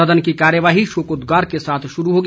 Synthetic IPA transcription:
əd̪ənkikaːɾjəʋaːɦiʃoːkod̪ɡaːɾkesaːt̪ʰʃʊɾuɦoːɡ

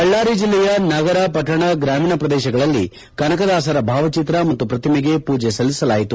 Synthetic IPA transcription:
ɐɭːaːɾid͡ʒilːɛjɐnɐɡɐɾɐpɐʈːɐɳɐɡɾaːmiːnɐpɾɐd̪ɛːʃɐɡɐɭɐlːi | kɐnɐkɐd̪aːsɐɾɐbʱaːʋɐt͡ʃit̪ɾɐmɐt̪ːupɾɐt̪imeɡe̞puːd͡ʒesɐlːisɐlaːjit̪u

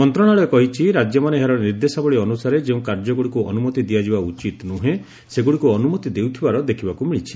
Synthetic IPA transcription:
mɔnt̪ɾɔɽ̃aɭekɔɦit͡ʃʰiɾad͡ʒjɔmaneɦaɾɔniɾd̪esabɔɭiɔnusaɾed͡ʒeũkaɾd͡ʒɔɡuɽikuʔɔ̰numɔt̪id̪iad͡ʒibaut͡ʃit̪nuɦẽ | seɡuɽikuɔnumɔt̪id̪ewt̪ʰibaɾɔd̪ekʰibakumiɭit͡ʃʰi̥

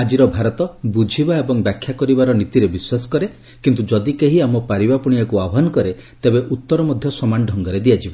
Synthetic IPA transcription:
ad͡ʒiɾɔbʱaɾɔt̪ɔbud͡ʒʱibaebɔŋbjakʰːjakɔɾibaɾɔnit̪iɾebiswasɔ̥kɔɾe | kint̪ud͡ʒɔd̪ikeɦiamɔpaɾibapuɽ̃ijakuawɔɦanɔkɔɾet̪ebeʔut̪ːɔɾɔmɔd̪ʱjɔsɔmanɖʱɔŋɡɔɾed̪iad͡ʒibɔ

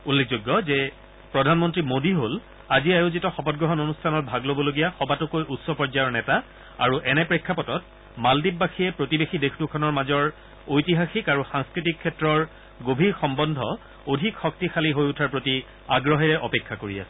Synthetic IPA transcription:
ulːek̚ʰzoɡːɔzɛ | pɹɔdʱanmɔntɹimodiɦol | aziajozitɔxɔpɔt̚ɡɹɔɦɔnonustʰanɔt̚bʱaɡlobɔloɡijaxɔbatʊkojʔutsɔpɔɹzajɔɹnɛta | a̰ɹuʔɛnɛpɹikʰːapɔtɔt̚ | maldip̚baxʰiɛpɹotibexidexʰdukʰɔnɔɹmazɔɹ | ojtiɦaxikaɹusaŋskɹitikʰːɛtɹɔɹ | ɡobʱiɹxɔmbɔndʱɔ̰ | odʱikxɔk̚tixʰaliɦojutʰaɹpɹoti | aɡɹɔɦɛɹɛʔɔpekʰːakoɹia̰sɛ

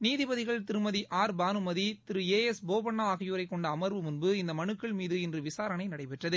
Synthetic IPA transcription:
niːðɪbɐðɪɣɐɭt̪ɪɾɯmɐðiʔaːɾbaːnɯmɐðit̪ɪɾɯeːɛsboːbɐɳːaaːɣɐjuːɾɐɪkːɔɳɖɐːmɐɾʋɯmʊnbɯɪnd̪ɐmɐnɯkːɐɭmiːðɯɪndrɯʋɪsaːɾɐnɐɪnɐɽɐɪpɛʈrɐðɯ

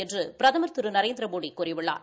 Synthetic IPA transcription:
ɛndrɯpɪɾɐðɐmɐɾt̪ːɯɾɯnɐɾeːnd̪ɪɾɐboːɽikːʊrɪʋɪɭːa̰ːɾ

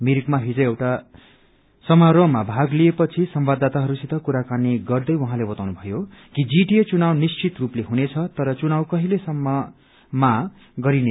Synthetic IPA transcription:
miɾikmaɦid͡zʌ̃ewʈa | sʌmaɾʌmabʱaɡliepʌt͡sʰisʌmbad̪ːat̪aɦʌɾusit̪ʌkuɾakaneɡʌrd̪ʌjwʌɦãlebʌt̪awnubʱʌjokid͡ziʈiet͡sunawnist͡sit̪rupleɦunet͡sʰʌt̪ʌɾʌt͡sunawkʌɦilesʌmːʌ | ma | ɡʌɾine

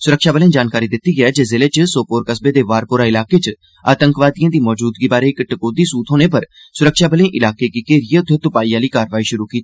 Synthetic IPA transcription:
sʊɾəkʃaːbəlẽd͡ʒaːnkaːɾid̪ɪt̪ːiɡɐɛd͡ʒezɪlet͡ʃəsoːpoːɾkəsbed̪eʋaːɾpʊɾaɪlaːket͡ʃ | a̰ːt̪ə̃ŋkʋaːd̪ijãd̪iːmɔːd͡ʒuːd̪ɡibaːɾeɪkʈɐkoːd̪isuːt̪ɦoːnepɐɾ | sʊɾəkʃaːbəlẽʔɪlaːkekikeːɾɪjət̪ʰet̪ʊpaːiaːliːkaːɾʋaːiʃʊɾukiːt̪i

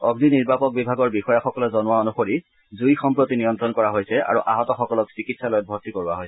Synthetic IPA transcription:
ɔɡniniɹbapɔk̚bibʱaɡɔɹbixɔjaxɔkɔlɔzɔnʊwaonuxoɹi | zujxɔmpɹotinijɔnt̪ɹɔnkɔɹaɦojsɛa̰ɹuʔa̰ɦɔtɔxɔkɔlɔksikitsalojɔt̚bʱɔɹtikoɹuaɦojsɛ

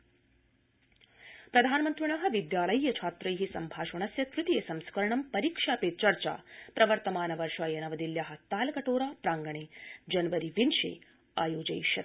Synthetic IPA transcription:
pɾɐd̪ʱaːnɐmɐnt̪ɾiɳaːɦɐ̆ʋid̪jaːlɐjːɐt͡ʃʰaːt̪ɾɐjɦisɐ̰mbʱaːʃɐɳɐsjɐkɾut̪ijesɐmskɐɾɐɳɐmpɐɾiːkʂaːpeːt͡ʃɐɾt͡ʃa̰ːpɾɐʋɐɾt̪ɐmaːnɐʋɐɾʂɐjɐnɐʋɐd̪iljaːɦɐ̆t̪aːlɐkɐʈoːɾaːpɾaːŋɡɐɳeːd͡ʒɐnɐʋɐɾiʋinʃḛː | aːjoːd͡ʒɐ̰jʃɐ

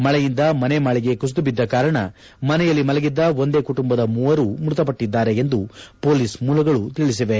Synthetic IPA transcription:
mɐɭɛjind̪ɐmɐnemaːɭiɡe̞kusd̪ubid̪ːɐkaːɾɐɳɐ̰ | mɐnɛjɐlːimɐlɐɡid̪ːɐo̞nd̪e̞ːkuʈumbɐd̪ɐmuːʋɐɾuːmɾut̪ɐpɐʈːid̪ːaːɾe̞end̪upo̞ːliːsmuːlɐɡɐɭut̪iɭis̬iʋe̞

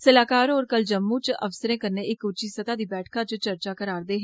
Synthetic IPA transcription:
səlaːkaːɾoːɾkəld͡ʒəmːũːt͡ʃə̰ʋsəɾẽːkəɾneːɪkʊt͡ʃiːsət̪aːd̪iːbɛːʈʰkʰãːt͡ʃt͡ʃəɾt͡ʃaːkəɾaːɾd̪eːɦɛ

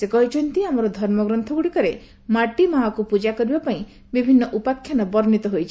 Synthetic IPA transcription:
sekɔɦit͡ʃʰɔnt̪iamɔɾɔd̪ʱɔɾmɔɡɾɔnt̪ʰɔɡuɽikɔɾe | maʈimaɦakupud͡ʒakɔɾibapaĩ | bibʱinːɔʔupakʰːjanɔbɔɾnit̪ɔɦojt͡ʃʰi̥

